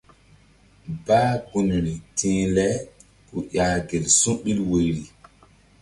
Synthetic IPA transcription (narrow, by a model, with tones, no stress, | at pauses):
baː˦ɡu˨nɾi˨tʰĩː˦lɛ˦ | ku˨ja˨ɡe˨lsũ˦ɓi˦lwe˨jɾi˨